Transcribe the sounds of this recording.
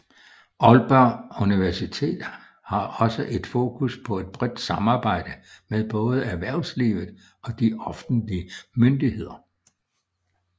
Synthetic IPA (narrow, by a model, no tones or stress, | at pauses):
ʔɒlb̥ɑuniʋæɐsit͡sʰe̝̰ːd̥ | hɑ̈ɒ̽səʔe̝d̥fo̝ːkʰuspʰɒ̽e̝d̥b̥ʁɛd̥sɑ̈mɑ̈ːb̥ɑ̈ɪ̰d̥əmeðˠb̥ɔ̽ːð̞̩ˠəæɐʋæɐ̰sliːʋð̩ˠ | ɒ̽d̥iʔɒ̽fd̥n̩dliəmønd̥ihe̝ð̞̰ˠɐ